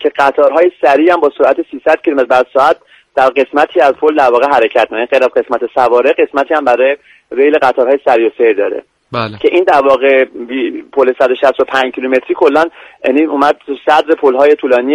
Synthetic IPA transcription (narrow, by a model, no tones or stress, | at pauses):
cʰe̞ɢ̥æt̪ʰɒːɾɦɒːjesæɾiːjæmbɒːsoɾʔæt̪ʰesiːsæd̪̥kcʰilome̞t̪ɾbæɾsɒːæt̪̚ | d̪̥æɾɢe̞smæt̪ʰiːæzpʰold̪æɾvɒːɣe̞ɦæɾecʰæt̪̚iiɡejɾæzɡe̞smæt̪ʰesævɒːɾeɡe̞smæt̪ʰiːhæmbæɾɒːje | ɾe̞jleɣæt̪ʰɒːɾhɒːjesæɾijosejɾd̪ɒ̰ːɾḛ | bcʰeʔiːnd̪æɾvɒːɣevipʰole̞sæd̪o̞ʃæst̪opʰænd͡ʒcʰilume̞t̪ʰɾiːkʰo̞lːæneniuːmæd̪̚sæd̪ɾe̞pʰolɦɒːjet̪ʰuːlɒːniː